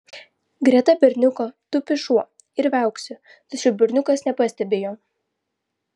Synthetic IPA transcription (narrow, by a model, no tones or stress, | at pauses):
ɡɾʲiɛt̪ɐbʲɪɾʲnʲʊkoːt̪ʊpʲɪʃuɔ | ɪɾʋʲɛˑʊksʲʊ | t̪ɐt͡ʃʲɛʊbʲɪɾʲnʲʊkɐsnʲɛpɐsʲt̪ʲɛbʲeːjoː